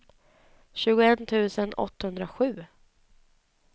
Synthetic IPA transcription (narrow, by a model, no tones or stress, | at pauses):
ɕʉ̟ːɡʊɛnt̪ʰʉ̟ːsənɔ̰t̪ːhɵnd̪ɾaɧʉ̟ː